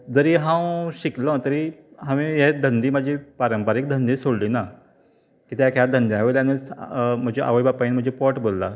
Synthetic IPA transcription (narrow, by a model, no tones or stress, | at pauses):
d͡zəɾiːɦãwɕiklə̃t̪əɾiɦãʋĩjed̪ʱənd̪ʱiːm̤ad͡ʑʱipaɾəmpaɾiːk̚d̪ʱənd̪iːsoɽliːna | kit̪ejakʰjad̪ʱənd̪iaɦʋeljanəsm̤əd͡ʑiʔa̰ʋəjbapaiːnm̤əd͡ʑʱepɔʈbolːa